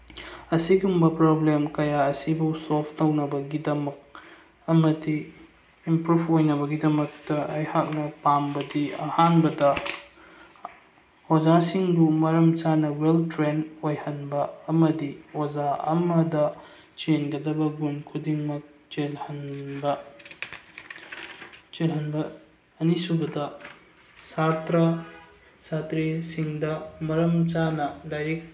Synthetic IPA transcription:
ɐsiɡumbɐpɾoblemkɐjaɐsibɐwsolpʰtownɐbɐɡidɐmɐk̚ | ɐmɐdiː | mpɾubojnɐbɐɡidɐmɐk̚tɐɐjhak̚nɐpambɐdiɐ̰hanbɐdɐ | od͡ʒasiŋdumɐɾɐmt͡ʃanɐweltɾenojhɐnbɐːmɐdiod͡ʒaɐ̰mɐdɐ | t͡ʃenɡɐdɐbɐɡunkʰudiŋmɐk̚t͡ʃelhɐnbɐ | t͡ʃelɦɐnbɐː | nisubɐdɐ | satɾɐ | satɾisiŋdɐmɐɾɐmt͡ʃanɐdajɾek̚

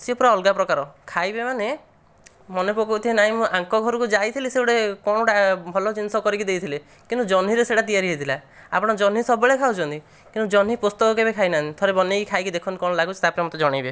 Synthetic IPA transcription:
siɔpɾaɔlɡapɾɔkaɾɔkʰajbemane | mɔnepokɔkut̪ʰienaɦĩmũʔaŋkɔɡʱɔɾɔkud͡ʒajt̪ʰiliseuɽekɔɽ̃ɔɽabʱɔlɔt͡ʃinsɔkɔɾikid̪ejt̪ʰile | kint̪ud͡ʒɔnɦiɾeseʈat̪ijaɾiɦed̪ʰilaa̰pɔɽ̃ɔd͡ʒɔn̤isɔbeɭekʰawd͡ʒʰɔnt̪i | kint̪ud͡ʒɔnɦipust̪ɔkɔkebekʰajnanit̪ʰoɾebɔnekikʰajkid̪ekʰɔnikɔɽ̃ɔlaɡut͡ʃʰi̥t̪apɾamɔt̪ɔd͡ʒɔɽ̃ajbe

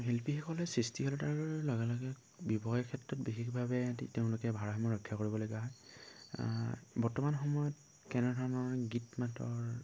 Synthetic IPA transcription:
ɦelpixɔkɔlɛsɹistiɦɔlɔtaɹɔɹlɔɡɛlɔɡɛ | bibɔxjakʰɛtɹɔt̚bixikbʱabɛteʊ̃lʊkɛbʱaɹxɔmɔɹɔkʰːjakoɹibɔlojkaɦɔj | bɔɹtɔmanxɔmɔjɔt | kɛnɛdʱɔɹnɔɹɡitmatɔ̰ɹ

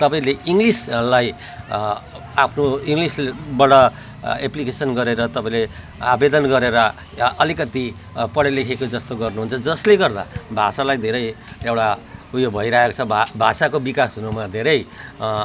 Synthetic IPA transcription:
t̪ʌpaĩleʔiŋɡlislaj | apʰnoiŋɡlisbʌɽʌ | eplikesʌnɡʌɾeɾʌt̪ʌpaĩle | abed̪ʌnɡʌɾeɾʌ | ʔʌlikʌt̪i | pʌɽelekʰekod͡zʌst̪oɡʌrnuɦunt͡sʰʌd͡zʌsleɡʌrd̪a̰bʱasalajd̪ʱeɾʌj | ewɽaɦujobʱʌiɾaɦekot͡sʰʌbʱasakobikasɦunumad̪ʱeɾʌj

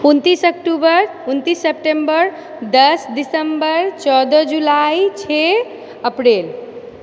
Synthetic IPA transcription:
unt̪isəkʈubəɾ | unt̪isːep̚ʈembəɾ | d̪əsdisəmbəɾt͡ʃɔd̪əd͡ʒulajt͡ʃʰe | əpɾel

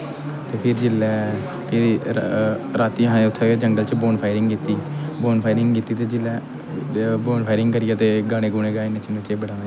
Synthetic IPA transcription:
t̪eːpʰɪɾd͡ʒɪlɛː | pʰɪɾ | ɾaːt̪iːɦãːẽʊt̪ʰːed͡ʒəŋɡəlt͡ʃboːnpʰaːɪɾɪŋɡkiːt̪iːboːnpʰaːɪɾɪŋɡkiːt̪iːt̪eːd͡ʒɪlːɛː | boːnpʰaːɪɾɪŋɡkəɾɪjaːt̪eːɡaːɽ̃ẽːkoːɽ̃eːɡaːenːẽːt͡ʃnt͡ʃeːbəɽãːnẽ

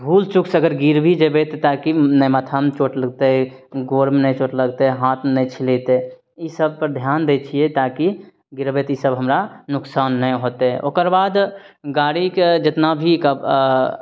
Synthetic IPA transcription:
bʱuːlt͡ʃʊksəɡəɾɡiɾbʱid͡ʒebet̪et̪aːkinəjmət̪ʰəmt͡ʃoːʈləɡt̪e | ɡoːɾmnə̃jt͡ʃoːʈləɡt̪eɦãːt̪ʰnəjt͡ʃʰilet̪e | isəb̚ʱpəɾd̪ʱjaːnd̪et͡ʃʰiet̪aːki | ɡiɾbeːt̪isəbɦəmɾanʊksaːnːə̃ɦoːt̪eɛʔo̰ːkəɾbaːd̪ɡaːɽiked͡ʒɪt̪nabʱikəb

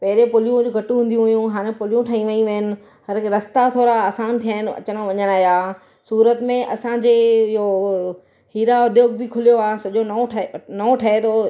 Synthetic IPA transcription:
pɐɦɪɾepʊlijũd͡ʑuɡʱɐʈũɦũːnd̪ijũɦʊjũɦaːɽ̃ẽpʊlijũʈʰaːĩʋɐĩʋɐɲənɪ̆ | hɐɾkɾɐst̪at̪ʰoːɾaaːsaːnt̪ʰijaːɪnɪɐ̰t͡ɕəɽ̃ʋɐɲənaːɦjaː | suːɾət̪mẽʔɐsãd͡ʑeːɪɦo | hiːɾaʊd̪ʱjoːɡ̚bɪkʰʊlijoaːɦsɐʄonɐoʈʰnɐõʈʰɐet̪ʰo

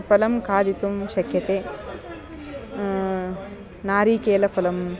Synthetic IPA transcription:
pʰɐlɐmkaːd̪it̪umʃɐkʰjɐt̪eː | naːɾiːkeːlɐfʰɐlɐm

